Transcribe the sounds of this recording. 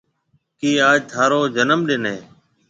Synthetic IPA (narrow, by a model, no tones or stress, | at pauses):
kiːaːd͡ʒt̪ʰaːɾoːd͡ʒənəmɗɪnɦeː